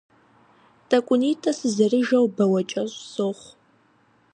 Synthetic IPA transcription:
tʰʼɐkʷʼʊniːtʰʼɐsɨzɐrɨʒɐwbɐwɐt͡ʃʼɐɕsoχʷ

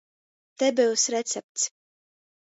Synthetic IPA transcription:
t̪ɛbiwsɾɛt̪sɛp̚t̪s

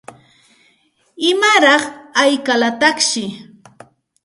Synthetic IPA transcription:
ɪmaɾɑχajkalat̪ɑχʃɪ

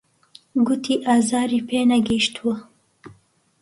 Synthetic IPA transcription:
ɡut̪ʰiʔaːzɑːɾipeːnaɡiʃt̪ʰwə

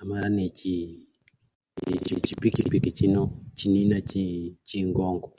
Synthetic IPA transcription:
amaɾanɛt͡ʃi | t͡ʃḭt͡ʃipikipikit͡ʃinɔt͡ʃininat͡ʃit͡ʃiŋɡɔŋɡɔ

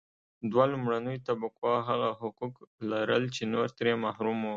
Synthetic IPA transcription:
d̪walumɽanəjt̪abakwɑɦaɣaɦʊkuklaɾəlt͡ʃenoɾt̪ɾemahɾumo

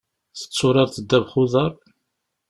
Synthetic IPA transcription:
θə̥t͡sːʊɾˤɑɾθəd̪ːævχʊðəɾˤ

